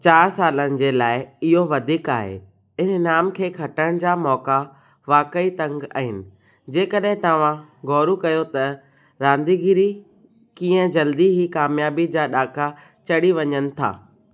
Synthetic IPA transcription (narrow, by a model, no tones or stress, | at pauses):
t͡ɕaːɾsaːlənɪ̆d͡ʑeːlaːɪɪɦoʋɐd̪ʱiːkaːɦḛ | ɪnnaːmkʰeːkʰɐʈəɽ̃d͡ʑaːmɔːka | ʋaːkəit̪ɐ̃ŋɡa̰ːɦɪnɪ̆ | d͡ʑeːkəɗɦɪ̃t̪ɐʋ̤ãɡʱɔːɾukɐjot̪ɐ | ɾãːnd̪iɡiɾi | kĩːə̃d͡ʑɐld̪iɦikaːmjaːbid͡ʑaːɗaːka | t͡ɕɐɽiʋɐɲənɪ̆t̪ʰa̰ː